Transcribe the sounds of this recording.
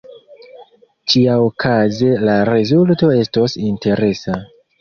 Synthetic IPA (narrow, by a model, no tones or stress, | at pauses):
t͡ʃiaokʰaze̞laɾezulto̞e̞sto̞sinte̞ɾe̞sa